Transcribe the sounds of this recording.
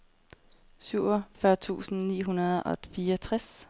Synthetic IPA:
syʊ̰ɒfɶɐt͡sʰṵːsn̩nḭːɦunɐð̩ˠɒ̽fiːɒt͡sʰʁas

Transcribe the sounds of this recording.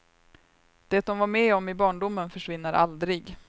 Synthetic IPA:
d̪̥ɛt̪̚d̪ɔmvaɾmɛːɔmɪbɑːɳɖʊmːənfœʂvɪnːəɾʔa̰ld̪ɾɪɡ

